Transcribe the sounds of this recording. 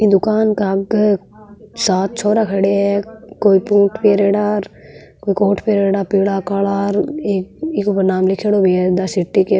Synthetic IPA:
id̪ʊkaːnkaɡ | saːt̪̚t͡ʃʰɔːɾakʰɐɽeɦɛkoːipũːʈʰpeɾeːɽaːɾ | koːikoːʈʰpeːɾeːɽaːpiːɽakalaːɾeːkikʊpəɾnaːmlɪkʰeɽobeɛd̪asɪʈːike

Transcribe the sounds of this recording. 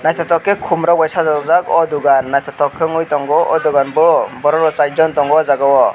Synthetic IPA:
najt̪ʰɔt̪ɔkɛkʰumɾawajsazɔɡzaɡɔd̪uɡanːajt̪ʰɔt̪ɔkʰːɯŋujt̪ɔŋɡɔʔɔd̪uɡanbɔɭɔbɔɾɔɾɔsajd͡ʒɔnt̪ɔŋɡɔwazaɡɔwɔ

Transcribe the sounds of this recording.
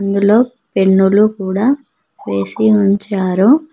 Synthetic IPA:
nd̪ulo̞ː | pe̞ɳːulukuːɽaː | ʋe̞ːsiuɲt͡ʃaːɾu

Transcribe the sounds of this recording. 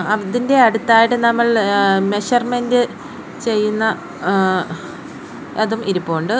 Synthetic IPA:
ɐðinde̞ɐɽut̪ːaːjiʈːɨnɐmːɐɭme̞ɕɐrmendɨ | t͡ɕe̞jːunːɐ | ɐðumiɾupːoːɳɖɨ

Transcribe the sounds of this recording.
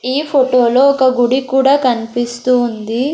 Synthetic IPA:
iːpʰoʈoːloːɔkɐɡuɽikuːɽaːkɐnipist̪uːnd̪i

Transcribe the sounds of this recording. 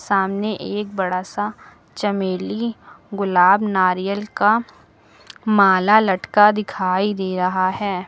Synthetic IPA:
saːmneʔeːk̚bɐɽasa | t͡ʃɐmeːliɡʊlaːbnaːɾijəlka | maːlalɐʈkad̪ɪkʰaːid̪eːɾɐɦaɦɛː

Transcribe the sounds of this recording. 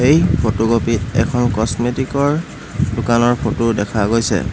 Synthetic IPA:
ejpʰotoɡopitɛ̰kʰɔnkɔsmetikɔɹ | dʊkanɔɹpʰotuɹdɛkʰaɡojsɛ̰

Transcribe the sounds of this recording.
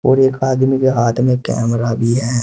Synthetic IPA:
oːɾeːkaːd̪mikeɦaːt̪ʰmẽkɛ̰ːmɾabʱiɦɛː

